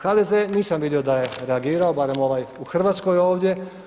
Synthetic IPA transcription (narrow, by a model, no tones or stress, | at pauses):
xad̪ezeniːsamʋid̪io̞d̪aje̞ɾe̞aɡiːɾao̞baɾe̞mo̞ʋajuxr̩ʋat̪sko̞jo̞ːʋd̪je̞